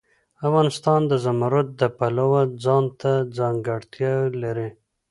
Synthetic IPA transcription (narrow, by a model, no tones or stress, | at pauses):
afɣɑnɪst̪ɑnd̪əzamaɾat̪̚d̪əpalawad͡zɑnt̪ad͡zɑŋɡaɽt̪jɑlaɾi